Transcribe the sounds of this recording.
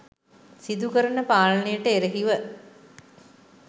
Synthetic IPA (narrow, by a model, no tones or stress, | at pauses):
sid̪ukəɾɐnəpaːlənejəʈəeɾeɦiʋə